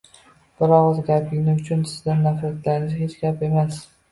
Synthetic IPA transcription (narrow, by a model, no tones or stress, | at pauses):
b̥ɪɾɒqʊzɡʲaplɪŋʲnɪʊt͡ʃʰʊnsɪzd̪anːafɾat̪laɾɪŋʲɪzhet͡ʃɡʲape̞mas